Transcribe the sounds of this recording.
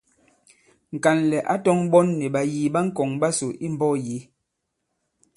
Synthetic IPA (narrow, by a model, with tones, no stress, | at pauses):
ŋ̩˨ka˨nlɛ˨ʔa˦tɔ˦ŋbɔ˦nːe˨ɓa˨jiː˨ɓa˦ŋ̩˦kɔ˨ŋba˦so˨ʔi˦m˦bɔ˦je˨˦